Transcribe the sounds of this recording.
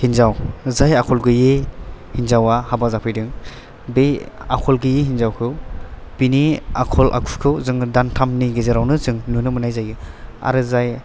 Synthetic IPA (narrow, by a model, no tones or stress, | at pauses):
hinzawzajakʰɔlɡɯjehinzawahabazapʰɯjdɯŋ | bea̰kʰɔlɡɯjeɦinzawkʰɯwb̥inia̰kʰɔlʔa̰kʰukʰɯwzɯŋdantʰamniɡezaɾawnɯzɯŋnunɯmɯnajzajɡɯa̰ɾɯzaj